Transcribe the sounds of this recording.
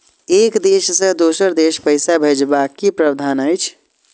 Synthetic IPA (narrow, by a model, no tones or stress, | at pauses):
ekd̪eʃsə̃d̪osəɾd̪eʃpəjsabʱed͡ʒbakːipɾəbd̪ʱanəjt͡ʃʰ